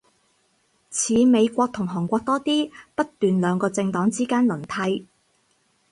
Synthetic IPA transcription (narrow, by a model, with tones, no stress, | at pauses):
t͡sʰiː˨˧me˨˧jkʷɔː˧k̚t̪ʰʊ˨˩ŋɦɔː˨˩ŋkʷɔː˧k̚t̪ɔː˥t̪iː˥pɐ˥t̚t̪yː˨nlœː˨˧ŋkɔː˧t͡sɪ˧ŋt̪ɔː˨˥ŋt͡siː˥kaː˥nlɵ˨˩nt̪ʰɐ˨˧j